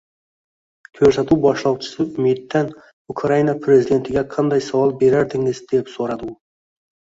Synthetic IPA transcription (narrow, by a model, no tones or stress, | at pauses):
kʲʰɵɾsæt̪ʰuwbɒʃlˠɑwt͡ʃʰɪ̥sɪʊmet̪ːan | ʊkʰɾɑjinapʰɾezid̪e̞nt̪ʰɪɡʲɛqʰɑnd̪ɑjsɑwɑlˠbe̞ɾaɾd̪ɪŋɪzd̪epsoɾɑd̪ɨ